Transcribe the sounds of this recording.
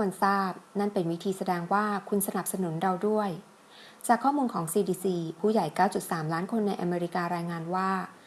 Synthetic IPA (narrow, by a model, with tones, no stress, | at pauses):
nsaː˥˩p̚na˥˩npe˧nwi˦˥t̪ʰiː˧sa˧dɛː˧ŋwaː˥˩kʰu˧nsa˧na˨˩p̚sa˧nu˩˦nɾa˧wdu˥˩əj | t͡ɕaː˨˩kʰːɔː˥˩muː˧nkʰɔː˩˦ŋsiː˧diː˧siː˧pʰuː˥˩ja˨˩jkaː˥˩wt͡ɕu˨˩t̪̚saː˩˦mlaː˦˥nkʰo˧nːa˧jʔa̰˧meː˧ɾi˦˥kaː˧ɾaː˧jŋaː˧nwaː˥˩